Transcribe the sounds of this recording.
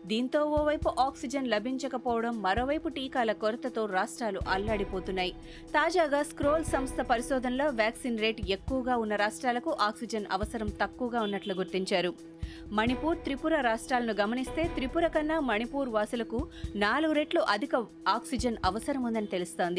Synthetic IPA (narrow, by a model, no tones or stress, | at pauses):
d̪iːnt̪o̞ːoːʋɐjpuʔaːksid͡ʒɐnlɐbʱiɲt͡ʃɐkɐpɔːʋɐɽɐmːɐɾo̞ːʋɐjpuʈiːkaːlɐkoɾɐt̪ɐt̪o̞ːɾaːʂʈɾaːlṵʔɐlːaːɽipo̞ːt̪unːaːji | t̪aːd͡ʒaːɡaːskɾoːlsɐmst̪ʰɐpɐɾiʃɔːd̪ʱɐnɐlo̞ːʋjaːksiːnɾe̞ːʈekːuʋɐɡaːunːɐɾaːʂʈɾaːlɐkuʔaːksid͡ʒɐnɐ̰ʋɐsɐɾɐmt̪ɐkːuʋɐɡaːunːɐʈluɡuɾt̪iɲt͡ʃaːɾu | mɐnipuːɾt̪ɾipuɾɐɾaːʂʈɾaːlɐnuɡɐmɐnist̪e̞ːt̪ɾipuɾɐkɐnːaːmɐnipuːɾʋaːsulɐkunaːluɡuɾeːʈluʔɐd̪ʱikɐ | aːksid͡ʒɐnɐʋɐsɐɾɐmund̪ɐnit̪e̞lust̪o̞ːnd̪i